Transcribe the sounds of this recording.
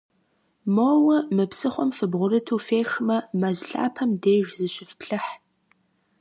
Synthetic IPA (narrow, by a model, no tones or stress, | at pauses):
moːwɐmɨpsɨχʷɔmfɨbʁʷʊɾɨtʰuːfeːxmɐmɐzɬʼa̰ːpʰɐmdeːʒzɨɕɪfpɬɨħ